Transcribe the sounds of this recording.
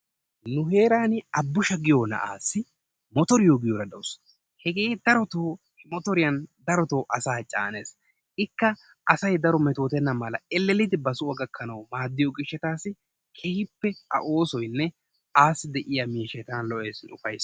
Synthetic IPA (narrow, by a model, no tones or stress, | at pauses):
nʊhe̞ːɾaːnɪɐbːʊʃɐɡɪjoːnɐ̰ʔa̰ːsːɪ | mɔt̪ɔɾɪjoːɡɪjoɾɐd̪ɐws | hɛɡe̞ːd̪ɐɾɔt̪oː | hmɔt̪ɔɾɪjɐnd̪ɐɾɔt̪oːʔɐsaːt͡ʃʼːa̰ːneːs | ɪkːɐ | ɐsɐjd̪ɐɾɔmɛt̪o̞ːt̪ɛnːɐmɐlɐɛlːɛlːɪd̪ɪbɐsʊwɐɡɐkʰːɐnɐwmaːd̪ːɪjɔɡɪʃːɛt̪aːsɪ | kʰɛhɪpːɛɐ̰ʔo̞ːsɔjnːɛ | aːsɪd̪ɛʔɪjɐmiːʃɛt̪aːnlɔʔeːsɪnʊfɐjs